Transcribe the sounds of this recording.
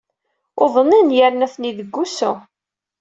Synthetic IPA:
ʊðˤəninjəɾnæθniðəɡːusu

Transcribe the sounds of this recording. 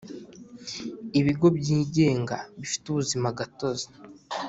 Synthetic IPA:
iβiɡo̞bɟiːɟe̞ːŋɡaβifi̥tuβuzimaɡato̞zḁ

